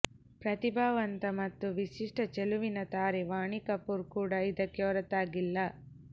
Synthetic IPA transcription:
pɾɐt̪ibʱaːʋɐnt̪ɐmɐt̪ːuʋiʃiʂʈɐt͡ʃeluʋinɐt̪aːɾeʋaːɳikɐpːuɾkuːɽɐid̪ɐkːeoːɾɐt̪aːɡilːɐ

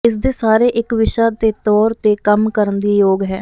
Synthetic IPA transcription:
ɪs̬d̪eːsaːɾeːʔɪkʋɪʃaːt̪eːt̪ɔːɾt̪eːkəmkəɾənd̪iːjoːɡɦɛː

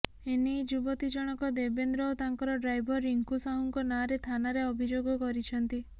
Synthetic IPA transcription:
enid͡ʒubɔt̪id͡ʒɔɽ̃ɔkɔd̪ebend̪ɾɔot̪aŋkɔɾɔɖɾajbʱɔɾiŋkusauŋkɔnaɾet̪ʰanaɾeɔbʱid͡ʒoɡɔkɔɾit͡ʃʰɔnt̪i

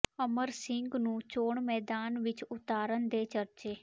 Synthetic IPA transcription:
əməɾsɪŋɡnũːt͡ʃoːɳmɛːd̪aːnʋɪt͡ʃʊt̪aːɾənd̪eːt͡ʃəɾt͡ʃeː

